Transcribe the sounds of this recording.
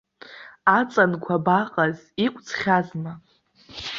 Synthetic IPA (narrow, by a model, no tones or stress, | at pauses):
at͡sʼankʷʰabaqʼaz | ikʷʼt͡sʰχʲazma